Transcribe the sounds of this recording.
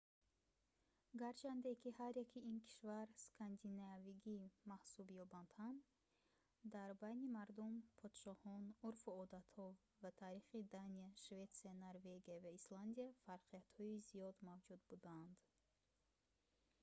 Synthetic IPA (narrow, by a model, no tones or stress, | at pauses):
ɡaɾt͡ʃʰand̪ekihaɾjakʰiinkʰi̥ʃvaɾskʰand̪inaviɡimahsubjɔband̪̥hand̪ | d̪aɾbajnimaɾd̪umpʰɔd̪̥ʃɔhɔnuɾfuɔd̪at̪hɔ | vat̪ʰaɾiχid̪aniaʃvet̪sianaɾveɡijavaisland̪ijafaɾqijat̪hɔizijɔd̪mavd͡ʒud̪̚bud̪aːnd̪̥